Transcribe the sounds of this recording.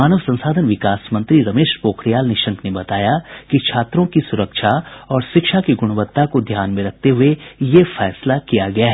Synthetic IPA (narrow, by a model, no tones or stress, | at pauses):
aːnəʋsɐ̃nsaːd̪ʱənʋɪkaːsmɐ̃nt̪ɾiɾɐmeːʃɾpoːkɾijaːlneʃɐ̃ŋknebɐt̪aːjakit͡ʃʰaːt̪ɾõkisʊɾəkʃaɔːɾʃɪkʃakiɡʊɽ̃ʋət̪ːakod̪ʱjaːnmẽɾɐk̚ʰt̪eɦʊejefɛːslakijaɡɐjaɦɛː